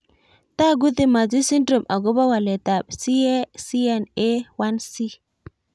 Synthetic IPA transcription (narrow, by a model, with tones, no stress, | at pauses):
ta˦ɡu˦t̪i˦˨ma˨d͡ʒi˦si˦ndɾo˨mʔa˨ɡo˦ba˦wa˨le˨ta˨bsi˦e˦si˦ja˨ne˦wa˦nsi˦